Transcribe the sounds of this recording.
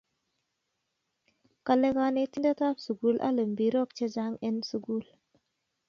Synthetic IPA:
ka˨le˦ka˦ne˦ti˦nda˦ta˦psu˨ɡu˦lʔa̰˦lə˨mbi˨ɾo˦k̚t͡ʃe˦d͡ʒa˦ŋe˦nsu˨ɡu˦˨l

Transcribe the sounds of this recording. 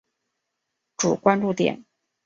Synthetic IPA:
ʈ͡ʂu˨˩kwa˥nʈ͡ʂu˥˩t̪jɛ̰˨˩˦n

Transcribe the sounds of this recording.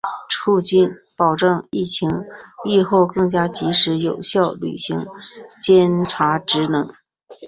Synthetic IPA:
ʈ͡ʂʰu˥˧t͡ɕi˥˩npɑ˨˩ʊʈ͡ʂɤ˥˧ŋi˥˩t͡ɕʰi˧˥ŋpi˥˧xo˥˧ʊkɤ˥˩ŋt͡ɕja˥t͡ɕi˧˥ʂɻ̩˧˥jo˨˩ʊɕjɑ˥˩ʊly̰˨˩ɕi˧˥ŋt͡ɕjɛ˥nʈ͡ʂʰa˧˥ʈ͡ʂɻ̩˧˥nɤ˧˥ŋ

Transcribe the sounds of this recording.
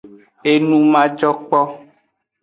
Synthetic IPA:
e˦nũ˦mã˦d͡ʒɔ˦k͡pɔ˦

